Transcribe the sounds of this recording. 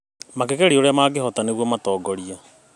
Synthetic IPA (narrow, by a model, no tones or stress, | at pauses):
makekeɾioɾeamaːɡeɦɔtaneɣwɔmatɔːɡɔɾia